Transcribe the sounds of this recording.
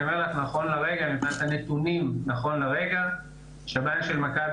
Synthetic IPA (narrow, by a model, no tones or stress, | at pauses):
ameʁlaχnaχo̞nlaʁeɡamibnat̪hanet̪unimnaχo̞nlaʁeɡa | ʃabamʃelmakab